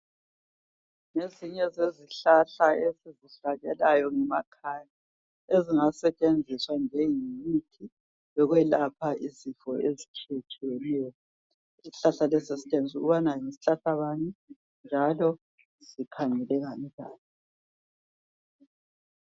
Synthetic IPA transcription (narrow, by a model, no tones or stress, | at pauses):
ŋeziɲɛzeziɬaɬaeziziɬaɣɛlajɔŋɛmakʰana | eziŋasɛt͡ʃʼend͡zʱiswand͡ʒʱɛjimitʰi | βɛɣwɛlapʰaizifɔezit͡ʃʰiet͡ʃʰʼiwɛnɛːjɔ | iɬaɬalɛsisi̥tʼent͡sʼuɣuβanajisiɬaɬaβani | nd͡ʒʱalɔ | z̥ikʰaŋɛlɛɣanikaːnɛ